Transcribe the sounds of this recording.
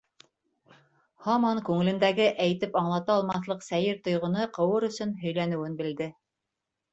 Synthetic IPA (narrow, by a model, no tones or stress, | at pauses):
hɑmɑŋkʉŋɘ̆lɘ̆nd̪æɡɘʔæjt̪ɘpɑɴlˠɑt̪ɑɑːlˠmɑθlˠɤqsæjɘɾt̪ŏjʁŏnɤqɤ̆wɤɾɵ̆sɵnɦɵ̆jlænɘ̆wɘnbɘ̆ld̪ɘ